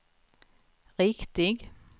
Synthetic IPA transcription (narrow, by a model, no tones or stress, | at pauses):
ʁɪkt̪ɪɡ